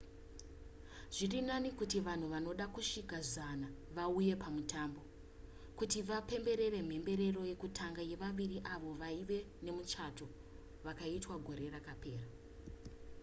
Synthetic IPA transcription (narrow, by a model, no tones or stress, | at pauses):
ʐ̥irinanikutiʋan̤uʋano̞ɗakuʂikazanaʋauje̞pamutambo̞ | kutiʋape̞mbe̞ɾe̞re̞m̤e̞mbe̞ɾe̞ro̞je̞kutʰaŋɡaje̞ʋaʋiriʔaʋo̞ʋaiʋe̞ | ne̞mut͡ʃato̞ | ʋakaitwaɡʱo̞ɾe̞rakape̞ːra